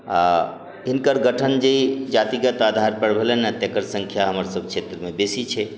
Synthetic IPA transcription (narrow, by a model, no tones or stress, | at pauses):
a | ɦinkəɾɡəʈʰənd͡ʒeid͡ʒat̪iɡət̪ad̪ʱaɾpəɽbʱelenət̪ekəɾsə̃ŋkʰjaɦəməɾsəb̚kt͡ʃʰet̪ɾəmebesit͡ʃʰɛ